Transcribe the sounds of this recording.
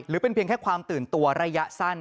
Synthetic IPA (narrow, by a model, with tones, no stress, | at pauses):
ɾɯː˩˦˥pe˧npʰi˧əŋkʰɛː˥˩kʰwaː˧mt̪ɯː˨˩nt̪u˧ɐɾa˧ja˦˥ʔsa˥˩n